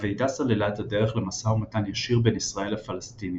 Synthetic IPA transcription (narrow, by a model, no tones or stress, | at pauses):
vejdasalelaetade̞ʁe̞χle̞masaumatanjaʃiʁbe̞nisʁae̞lhafalastini